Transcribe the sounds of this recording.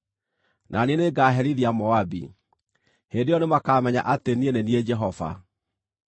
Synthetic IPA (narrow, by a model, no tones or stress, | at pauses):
nʔanieneɡaːɦɛɾiðiamɔabḭ | hendejɔnemakaːmɛɲa̰ʔatenienenied͡ʒɛɦɔva̰